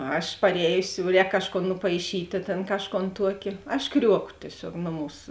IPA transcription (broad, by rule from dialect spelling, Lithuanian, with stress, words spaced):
ˈɐʃ pɐrʲˈɛːjʊsʲɪ jɛʊ ˈrʲɛːk ˈkɑːʃˌkoːn nʊpɐɪˈʃʲiːtʲeː ˈtʲeːn ˈkɑːʃˌkoːn ˈtuɔkʲɪ ɐʃ ˈkrʲuɔkoː tʲiɛˈsʲoːk ˈnoːˌmuːs